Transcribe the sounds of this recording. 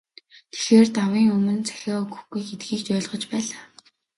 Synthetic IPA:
t̪ʰe̥xeːrt̪awiːŋɵmɵ̆nt͡sʰæ̥xʲɔːɵɣɵ̥̆xɡujxet̪ɡiːkt͡ɕœːɮʁɞ̆t͡ɕpæːɮaː

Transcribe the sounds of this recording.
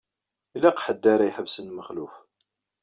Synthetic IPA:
ilæqħəd̪ːaɾˤajħəvsənməχluf

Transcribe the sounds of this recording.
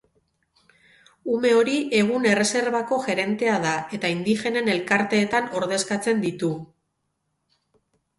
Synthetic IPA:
ume̞o̞ɾie̞ɣ̞une̞re̞se̞ɾβako̞ʝe̞ɾe̞nt̪e̞að̞ae̞t̪aind̪ixe̞ne̞ne̞lkaɾt̪e̞ːt̪ano̞ɾð̞e̞skat͡se̞nd̪it̪u

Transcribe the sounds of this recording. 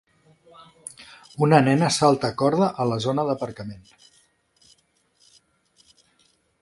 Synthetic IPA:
unənɛnəsalˠt̪əkɔɾð̞əʔələzonəðəpəɾkəmen

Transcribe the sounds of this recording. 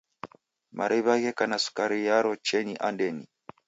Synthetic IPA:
ma̰ɾʔɛβaɣɛkanasu̥kaɾijaɾɔt͡ʃɛniʔandɛni

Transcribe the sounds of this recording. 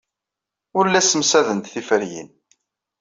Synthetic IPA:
ʊɾlːæsəmsæðənt̪θifəɾjḭn

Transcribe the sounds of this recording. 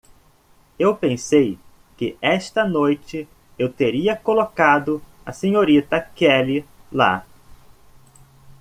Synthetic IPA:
ewpẽsej | kɪʔɛʃt̪ɐnojt͡ʃɪ | ewt̪eɾiɐkolokad̪ʊ | ɐ̰sẽɲoɾit̪ɐkɛlɪla̰

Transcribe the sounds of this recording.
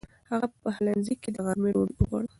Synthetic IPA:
haɣapəhalanzikːed̪əɣaɾmeɾoləɣwɑ̰ɽə

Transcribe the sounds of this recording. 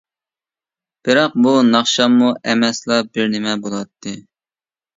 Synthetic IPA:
b̥ɪɾɑq̚bunɑχʃɑmːuʔɛmɛslˠɑbɪɾnɪmɛbolˠwɑt̪ʰːɨ

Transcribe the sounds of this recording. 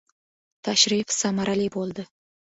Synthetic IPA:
t̪ʰaʃɾifsamaɾalibolˠd̪ɪ

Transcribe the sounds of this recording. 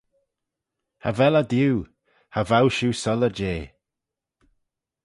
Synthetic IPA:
ha̰vɛlad̪juː | havawʃuːsɔləd͡ʒeː

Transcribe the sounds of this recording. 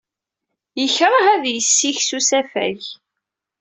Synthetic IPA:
jəçɾˤɑhæðjəsːiçsusæfæ̰ç

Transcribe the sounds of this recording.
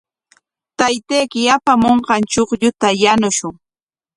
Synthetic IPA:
t̪ajt̪ejkɪjapamoɴɢɑnt͡ʃoχʎʊt̪ajanʊʃʊŋ

